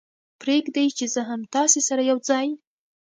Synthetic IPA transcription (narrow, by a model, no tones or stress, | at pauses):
pɾekd̪ajt͡ʃezəɦamt̪ɑsesaɾajawd͡zɑj